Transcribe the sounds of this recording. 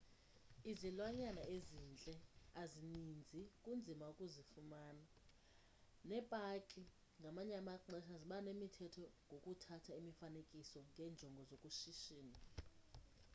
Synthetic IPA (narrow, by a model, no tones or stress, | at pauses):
izilwaɲanaezint͡ɬʼɛazinind͡zʱikʼund͡zʱimaukʼuzifumaːna | nɛpʼakʼi | ŋɡʱamaɲɛamaǃʱɛʃaziɓanemitʰɛtʰɔŋʱokʼutʰatʰaimifanekʼisɔŋɡʱɛːnd͡ʒʱɔŋɡʱɔzokʼuʃiʃiːni